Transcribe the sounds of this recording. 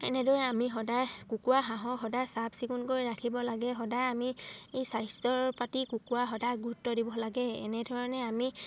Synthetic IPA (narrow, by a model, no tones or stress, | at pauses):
ɛ̰nɛdɔɹɛamiɦɔdajkukuwaɦãɦɔxɔdajsabsiɡunkojɹakʰibɔlaɡɛxɔdajamiejsajstɔɹpatikukuaɦɔdajɡuutːɔdibɔlaɡɛɛ̰nɛdʱɔɹɔnɛami